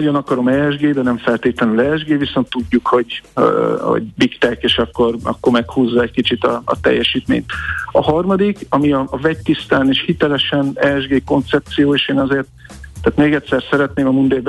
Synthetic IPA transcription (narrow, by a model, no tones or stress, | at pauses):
ɒɟo̞nɒkɒɾo̞mɛːɛʒɡeːd̪ɛnɛɱfɛlt̪eːt̪lɛnylɛːʒɡeːviso̞nt̪ːuɟːukho̞ɟ | ho̰ɟbikt̪ɛkeːʃɒkːo̞rɒ̰kːo̞rmɛkhuːzːɒɛckit͡ʃit̪ɒɒ̰t̪ɛ̰jːɛʃiːt̪mḛːɲt̪ɒhɒrmɒd̪ikɒmiɒːvɛct̪ist̪aːneːʃhit̪ɛlɛʃɛnɛːʒɡeːko̞nt̪sɛp̚t̪sijoːeːʃeːnɒzeːrt̪ː | aːt̪meːɡɛt̪ʲsɛrsɛɾɛt̪neːmɒmund̪eːb